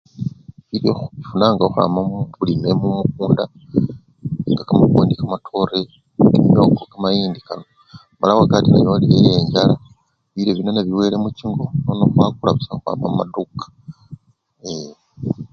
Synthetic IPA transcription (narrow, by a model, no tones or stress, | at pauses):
βiloxuβifunaŋɡaxa̰ːmamβuline̞mumukuːnda | ŋɡakamakoːndikamatʰoɾe | kimio̞kokamajiːndikano | malawakatinajolijejeɲɟala | βileβinanaβiwe̞ːlemuciŋɡo̞nonoxwakulaβusaxwa̰ːmama̰dukḁ | e